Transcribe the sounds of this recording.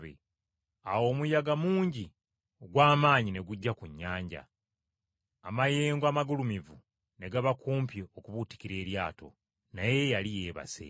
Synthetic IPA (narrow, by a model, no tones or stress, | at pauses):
ḛ | awo̞ːmujaɡamuːɲɟi | oɡwaːmaːɲine̞ɡuɟːakuɲːaːɲɟa̰ | amaje̞ːŋɡwamaɡulumivu | ne̞ɡaβakuːmpjeokuβuti̥kiɾe̞ːɾjaːto̞̰ | naje̞jalije̞ːβa̰sḛ